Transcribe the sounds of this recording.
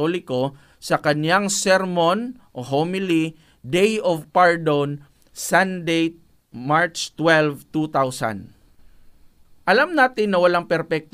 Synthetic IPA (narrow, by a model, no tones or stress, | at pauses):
olɪko̞ | sɐkɐnjaŋsɛɾmonʔoɦomɪli | d̪ejovpaɹd̪on | sand̪ejt̪̚ | maɹt͡ʃt̪wɛlvt̪ut̪awsa̰n | ʔɐlamnaːt̪ɪnːɐwɐlaŋpɛɾpɛk̚t̪